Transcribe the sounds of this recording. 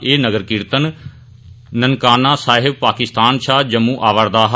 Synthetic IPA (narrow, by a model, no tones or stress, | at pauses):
eːnəɡəɾkɪɾt̪ənː | ənkaːnaːsaːɦɪb̚paːkɪst̪aːnʃʰaːd͡ʒəmːũːʔaːʋəɾd̪aːɦ